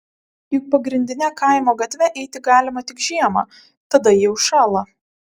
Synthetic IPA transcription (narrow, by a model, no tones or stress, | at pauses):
jʊk̚pɐɡɾʲɪnʲd̪ʲɪnʲɛkɐɪmoːɡɐt̪ʲʋʲɛʔɛɪt̪ʲɪɡɑːlʲɪmɐt̪ʲɪkʒʲiɛmɑ̰ː | t̪ɐd̪ɐjiɛʊʃɑːlˠɐ